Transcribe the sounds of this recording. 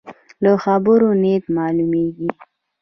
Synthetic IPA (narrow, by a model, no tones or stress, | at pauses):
ləxabəɾonet̪mɑlumeɡi